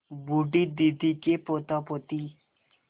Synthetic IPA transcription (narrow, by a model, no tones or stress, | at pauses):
buɖid̪id̪ikepot̪ɔpot̪i